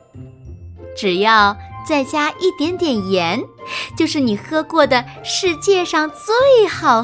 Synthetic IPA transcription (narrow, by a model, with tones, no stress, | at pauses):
ʈ͡ʂɻ̩˨˩jɑ˥˧ʊt͡sa˥˩ɪt͡ɕja˥ʔi˥˩t̪jɛ˧˥nt̪jɛ˨˩njɛ˧˥nt͡ɕjo˥˧ʊʂɻ̩˥˩ni˨˩xɤ˥kwɔ˥˩d̪ə˩ʂɻ̩˥˧t͡ɕjɛ˥˧ʂɑ˥˧ŋt͡swe˥˩ɪxɑ˨˩ʊ